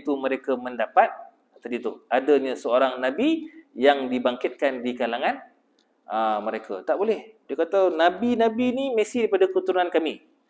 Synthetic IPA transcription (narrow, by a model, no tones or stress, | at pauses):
t̪umə̃ɾekamə̃ndapat̪̚ | t̪adit̪uadaɲəsəoɾaŋnãbijaŋdibaŋkɪt̪̚kandikalaŋãn | aməɾekʰa̰t̪aʔbolɛhdekat̪awnabinãbinimẽsidaipadakut̪unankamĩ